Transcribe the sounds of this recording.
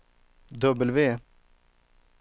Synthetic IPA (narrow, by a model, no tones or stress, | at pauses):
d̪ɵbəlveː